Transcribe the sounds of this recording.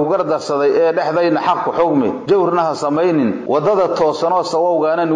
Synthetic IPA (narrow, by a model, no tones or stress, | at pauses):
ʊɣɐrd̪ɐrsɐðɛjɛːɖɛħðɛjnɐħɑqkʰʊħɔɡmɛ̰d͡ʒɐwrnɐɦɐsɐmɛjnɪnwɑd̪ɐðɐt̪ʰɔːsɐnɔːsɐwɔwɣaːnɐn